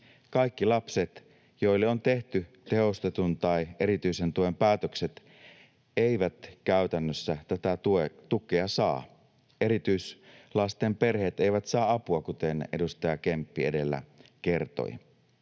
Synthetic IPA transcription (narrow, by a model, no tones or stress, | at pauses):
kɑikːilɑpset̪ | jo̞ilːeont̪e̞ht̪y | t̪e̞o̞st̪et̪unt̪ɑiʔe̞ɾit̪yise̞nt̪uempæːt̪økset̪ | eiʋæt̪kæyt̪ænːøsːæt̪æt̪æuet̪ukːˑeɑsɑː | e̞ɾit̪yislɑst̪empe̞rheːt̪e̞iʋæt̪sɑːɑpuɑkut̪ene̞̰dust̪ɑjɑkempːie̞de̞lːæ̰ke̞rt̪o̰i